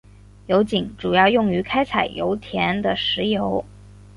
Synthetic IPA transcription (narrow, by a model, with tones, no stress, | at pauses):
jo˧˥ʊt͡ɕi˨˩˦ŋʈ͡ʂu˨˩jɑ˥˧ʊjʊ˥˩ŋy˧˥kʰa˥ɪt͡sʰa˨˩ɪjo̰˧˥ʊt̪ʰjɛ˧˥nd̪ə˨ʂɻ̩˧˥jo˧˥ʊ